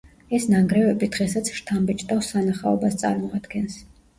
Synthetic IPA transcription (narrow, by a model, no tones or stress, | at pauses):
ɛsnaŋɡɾɛvɛbid̪̥ʁɛsat̪sʰʃt̪ʰambɛt͡ʃʼt̪ʼafsanaχaɔbast̪sʼa̰ɾmɔad̪̥ɡɛns